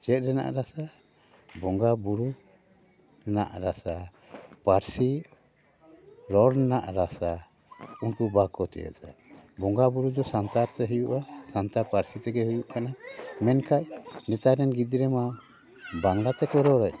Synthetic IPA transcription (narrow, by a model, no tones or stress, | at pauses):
t͡ʃɛt̪̚ɾɛna̰ʔɾasa | bɔŋɡabuɾu | na̰ʔɾasa | paɾsi | ɾɔɾnaʔɾasa | unkubakɔt̪ɛ̰jɛ̰t̪a̰bɔŋɡabuɾud̪ɔsant̪aɾt̪ɛɦujuʔasant̪aɾpaɾsit̪ɛɡɛhujuʔkanamɛnkʰaʔ̚nɛt̪aɾɛnɡid̪iɾɛma | baŋlat̪ɛkɔɾɔɾɔʔ